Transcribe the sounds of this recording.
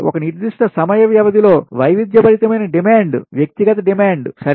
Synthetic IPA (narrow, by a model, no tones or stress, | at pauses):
ʔɔ̰kɐniɾd̪iʂʈɐsɐmɐjɐʋjɐʋɐd̪ilo̞ːʋɐjʋid̪jɐbɐɾit̪ɐmɐjnɐɖimaːɳɖʋjɐk̚t̪iɡɐt̪ɐɖimaːɳɖsɐ